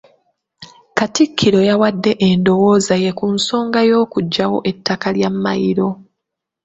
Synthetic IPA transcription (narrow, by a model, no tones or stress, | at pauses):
katikʰːiɾo̞jawadːe̞ʔendo̞wo̞ːzaje̞kunso̞ːŋɡajo̞ːkuɟːawo̞̰ʔe̞tːakaljamːajiɾo̞